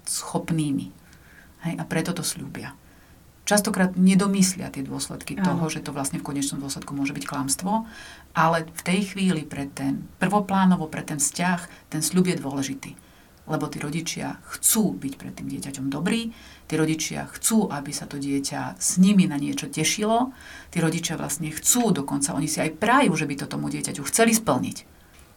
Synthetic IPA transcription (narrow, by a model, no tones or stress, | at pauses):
sxɔpniːmḭ | hɛjʔapɾɛt̪ɔt̪ɔsʎubɪa | t͡ʃast̪ɔkɾaːd̪ɲɛd̪ɔmislɪa̰t̪ɪɛd̪ʊɔslɛ̰t̪kit̪ɔɦɔʒɛt̪ɔʋlasɲɛfkɔɲɛt͡ʃnɔmd̪ʊɔslɛt̪kumʊɔʒɛbicklamst̪ʋɔʔalɛft̪ɛjxʋiːlipɾɛt̪ːɛnpr̩ʋɔplaːnɔʋɔpɾɛt̪ɛnfscaxt̪ɛnsʎubjɛd̪ʊɔlɛʒit̪iː | lɛbɔt̪iːɾɔɟit͡ʃɪa̰xt͡suːbicpɾɛ̰t̪ːiːmɟɪɛcacɔmd̪ɔbɾiːt̪iːɾɔɟit͡ʃɪa̰xt͡suːʔabisat̪ɔɟɪɛca̰sɲiminaɲɪɛt͡ʃɔcɛʃilɔt̪iːɾɔɟit͡ʃɪaʋlʔa̰stɲɛxt͡suːd̪ɔkɔnt͡saʔɔɲisiajpɾajuːʒɛbit̪ɔt̪ɔmuɟɪɛcacuxt͡sɛlispl̩ɲḭc